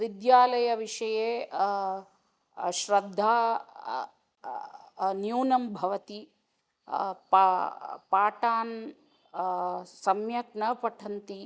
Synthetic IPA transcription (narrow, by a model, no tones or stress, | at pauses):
ʋid̪jaːlɐjɐʋiʂɐjeː | ʃɾɐd̪ʱːaː | njuːnɐmbʱɐʋɐt̪i | p | paːʈaːn | sɐmjɐkɳɐpɐʈʰɐnt̪i